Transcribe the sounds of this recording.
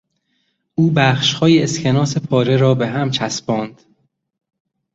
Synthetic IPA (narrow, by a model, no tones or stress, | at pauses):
ʔuːbæːxʃhɒːjeːscʰe̞nɒːsepʰɒːɾeɾɒːbeɦæmt͡ʃʰæsbɒːnd̪̥